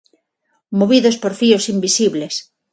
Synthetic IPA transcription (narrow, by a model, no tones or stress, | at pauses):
moβiðospoɾfiosimbisiβles